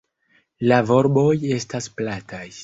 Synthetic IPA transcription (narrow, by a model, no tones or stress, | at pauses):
lavo̞ɾbo̞je̞stasplataj